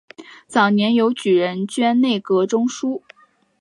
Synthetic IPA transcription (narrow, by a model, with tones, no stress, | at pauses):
t͡sɑ˨˩ʊnjɛ˧˥njo˧˥ʊt͡ɕy˨˩ɻə˧˥nt͡ɕɥɛ˥nne˥˩ɪkɤ˧˥ʈ͡ʂʊ˥ŋʂu˥